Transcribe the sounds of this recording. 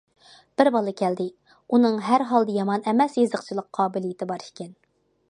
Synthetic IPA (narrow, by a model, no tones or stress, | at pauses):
b̥ɪɾbɑlˠɨkʲʰɛld̪ɪ | unɨŋɦæɾɦɑlˠd̪ɨjɑmɑnɛmɛsjezəqt͡ʃʰilˠəqqʰɑːbɪlijɪt̪ʰɪbɑɾʃkʲɪn